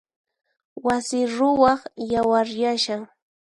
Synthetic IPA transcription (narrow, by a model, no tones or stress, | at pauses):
wasɪɾʊwɑχjawaɾjaʃaŋ